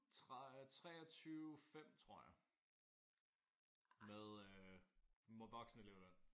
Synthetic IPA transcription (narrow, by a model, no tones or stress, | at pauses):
t͡sʰʁt͡sʰʁɛ̰ːɒt͡sʰyːfem̰t͡sʰʁo̝ɐ̰jɑ̈ | meðˠø | mʋɒ̽ɡ̥snəele̝ʊ̰d̥æɐ